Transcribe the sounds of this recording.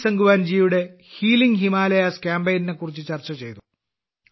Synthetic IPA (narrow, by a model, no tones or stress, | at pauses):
sɐŋɡuʋaːnd͡ʑijjuɽe̞ | hiːliŋɡɦimaːlɐjaskʲaːmbejnine̞kːurit͡ɕːɨt͡ɕɐrt͡ɕːɐt͡ɕe̞̰jt̪u